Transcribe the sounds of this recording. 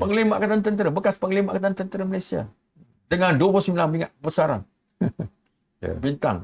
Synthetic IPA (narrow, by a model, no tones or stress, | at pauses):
pəŋlimaʔkat̪ant̪ənt̪əɾəbəkaspəŋəlimaʔkat̪ant̪ənt̪əɾəməlajsia̰ | dəŋandupɔsimilaŋmiŋaʔəbəsaɾa̰n | bint̪a̰ŋ